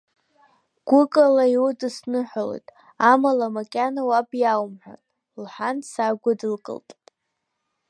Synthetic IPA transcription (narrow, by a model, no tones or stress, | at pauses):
ɡ̥ʷʊkʼalaiwudɨsnɨħʷalo̰jtʼ | amalamakʲʼanawabʼjawmħʷᶣa̰nʼ | lħʷansaɡʷʊdɨlkʼɨ̰ltʼ